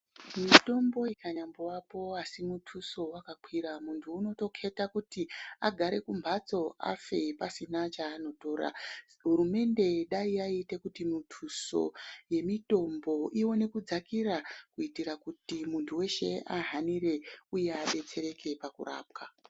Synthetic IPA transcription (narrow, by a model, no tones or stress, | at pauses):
mito̞mbo̞ikaɲambowapo̞asimutʰuso̞wakakwiɾamuntʰuːno̞to̞kʰe̞takutiaɡʱaɾe̞kumbʱat͡so̞a̰fe̞pasinat͡ʃaːno̞to̞ːɾa̰ | ɦuɾume̞nde̞ɗaiaitekutimitʰuso̞̰je̞mito̞mbo̞ʔiwo̞ne̞kud͡zakirakuitirakutimuntʰuwe̞ʃe̞ʔaɦanire̞uje̞aɓe̞t͡se̞ɾe̞kʰe̞pakṵra̰ːp̚ka